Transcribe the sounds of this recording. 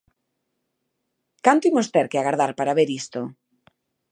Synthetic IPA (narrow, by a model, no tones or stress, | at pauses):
kant̪iŋost̪ɛɾkeaɣaɾðaɾpaɾaβeɾist̪o